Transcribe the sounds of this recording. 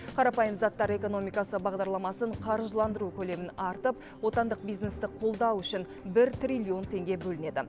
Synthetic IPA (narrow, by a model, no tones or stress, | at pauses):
qʰɑɾɑpɑjəmzɑt̪ːɑɾe̞ko̞no̞mijkɑsəbɑʁd̪ɑɾlˠɑmɑsəɴqʰɑɾʒəlˠɑnd̪əɾukʲʰɵle̞mɪnɑɾt̪əp̚ | wo̞t̪ɑnd̪əq̚bijznest̪ɪqʰo̞lˠd̪ɑwʏʃɪn | bɪɾt̪rʲilʲio̞nt̪ʰe̞ŋɡʲe̞bɵlɪne̞d̪ɪ̰